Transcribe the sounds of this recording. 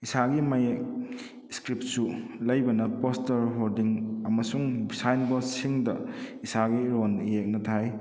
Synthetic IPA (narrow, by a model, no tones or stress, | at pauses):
isaɡimajek̚ | skɾip̚sulɐjbɐnɐpostɐɾɦoɾdiŋɐmɐsuŋbisajnbɐsiŋdɐisaɡiɾonijek̚nɐtʰaj